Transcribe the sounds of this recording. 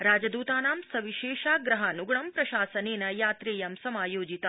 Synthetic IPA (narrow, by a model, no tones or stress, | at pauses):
ɾaːd͡ʒəd̪uːt̪aːnaːmsɐʋiʃeːʃaɡɾɐɦanuɡɳɐmpɾɐʃaːsənenɐjaːt̪ɾeːjɐmsɐmaːjoːd͡ʒit̪a